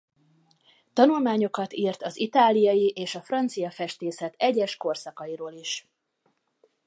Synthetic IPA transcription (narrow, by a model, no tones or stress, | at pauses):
t̪ɒnulmaːɲo̞kɒt̪irt̪ɒzit̪aːlːijɒjiʔeːʃɒfrɒnt̪sijɒfɛʃt̪eːsɛt̪ɛɟɛʃko̞rsɒkɒjiɾoːliʃ